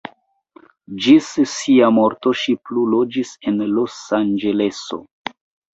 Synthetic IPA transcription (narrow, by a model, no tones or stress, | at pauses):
d͡ʒissiamo̞ɾto̞ʃiplulo̞d͡ʒise̞nlo̞sand͡ʒe̞le̞so̰